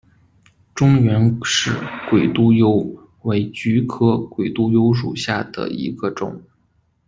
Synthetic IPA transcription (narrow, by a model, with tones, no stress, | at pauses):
ʈ͡ʂʊ˥ŋɥɛ˧˥nʂɻ̩˥˩kwe˨˩ɪt̪u˥jo˥ʊ | we˧˥ɪt͡ɕy˧˥kʰɤ˥kwe˨˩ɪt̪u˥jo˥ʊʂ̬ṵ˨˩ɕja˥˩d̪ə̰˩ḭ˧˥ɡə˧ʈ͡ʂʊ̰˨˩˦ŋ